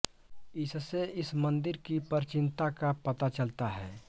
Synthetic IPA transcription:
ɪsseɪsmə̃nd̪ɪɾkipəɾt͡ʃɪ̃nt̪akapɐt̪at͡ʃəlt̪aɦɛː

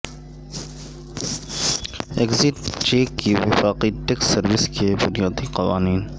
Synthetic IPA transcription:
ekzɪʈt͡ʃeːkːiʋɪfaːqiʈɛkssɐɾʋɪskebʊnijaːd̪iqɐʋa̰ːniːn

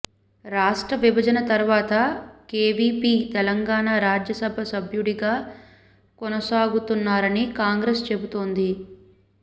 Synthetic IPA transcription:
ɾaːʂʈɾɐʋibʱɐd͡ʒɐnɐt̪ɐɾʋaːt̪ɐkeːʋiːpiːt̪ɛlɐŋɡaːɳaːɾaːd͡ʒjɐsɐbʱɐsɐbʱjuɽiɡaː | kɔnɐsaːɡut̪unːaːɾɐnikaːŋɡɾest͡ʃe̞but̪oːnd̪i

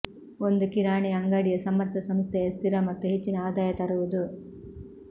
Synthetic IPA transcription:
ond̪ukiɾaːɳijɐŋɡaːɽijɐsɐmːɐɾt̪ʰɐsɐmst̪ʰɛjɐst̪ʰiɾɐmɐt̪ːuɦet͡ʃːinɐaːd̪aːjɐt̪ɐɾuʋud̪u

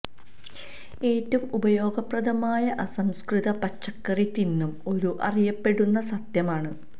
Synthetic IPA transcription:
e̞ːtːɐmubɐjo̞ːɡɐprɐðɐmaːjɐʔɐsɐmskriðɐpɐt͡ɕːɐkːɐrit̪ːinːumo̞ɾuʔɐ̰rijɐpːe̞ɽunːɐsɐt̪jɐmaːɳɨ

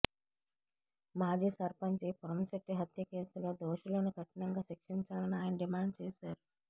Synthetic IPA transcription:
maːd͡ʒiːsɐɾpɐɲt͡ʃipɐɾɐnsɐʈːiɦɐt̪jɐkeːsulo̞ːd̪oːʃuloːnukɐʈɐnɐŋɡaːʃikʂiɲt͡ʃaːlɐniaːjnɐɖimaːɳɖt͡ʃeːsaːɾu

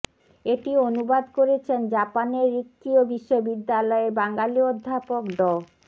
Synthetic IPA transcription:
eʈionubad̪koɾet͡ɕʰend͡ʑapaneɾːikːiobiʃːobid̪ːalɔebaŋɡaliod̪ʱːapokɖɔ

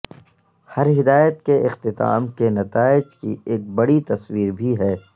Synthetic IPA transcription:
hɐɾɦɪd̪aːjət̪keʔɪqt̪ɪt̪a̰ːmkenɐt̪aːɪd͡ʒkieːk̚bɐɽit̪ɐswiːɾbʱiɦɛː

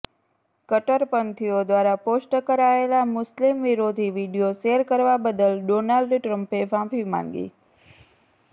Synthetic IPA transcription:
kəʈəɾpənt̪ʰiod̪ʋaɾaposʈkəɾaelamʊslimʋiɾod̪ʱiʋiɖijoʃeɾkəɾʋabəd̪əlɖonalɖʈɾə̃mpeʋãpʰimã̰ŋɡḭ

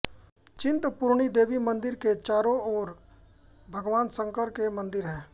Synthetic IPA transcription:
t͡ʃɪ̃nt̪pʊɾɳ̃id̪eːʋimɐ̃nd̪ɪɾket͡ʃaːɾõɔːɾ | bʱɐɡʋaːnsə̃ŋkəɾkemɐ̃nd̪ɪɾɦɛ̃ː

